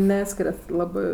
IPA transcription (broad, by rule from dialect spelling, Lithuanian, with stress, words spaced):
ˈnʲæːsʲkʲɪrʲɛt ˈlˠɑːbɜ